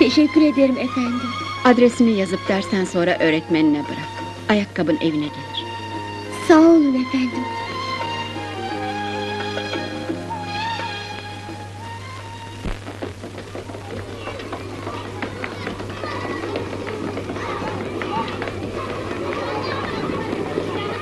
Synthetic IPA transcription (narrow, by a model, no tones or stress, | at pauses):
t̪ʰe̞ʃɛcːyɾe̞d̪ijoɾimefænd̪imad̪ɾesimijazɯp̚d̪̥æɾsænso̞nɾaʔø̞ːɾɛt̪meninɛbɯɾak | ajakʰːabɯnʔe̞vinɛɟelʲiɾ̥ | saolefænd̪im